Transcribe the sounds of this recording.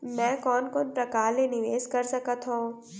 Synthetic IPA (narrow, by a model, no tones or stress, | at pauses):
mɛ̃ːkɔːnkoːnpɾɐkaːɾlenɪʋeːskɐɾsɐkət̪ɦõː